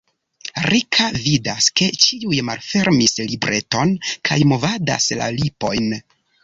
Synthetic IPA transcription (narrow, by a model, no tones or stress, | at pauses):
ɾikʰavidaske̞t͡ʃiujmalfe̞ɾmislibɾʔe̞to̞nkʰa̰jmo̞vada̰sla̰lipo̞jn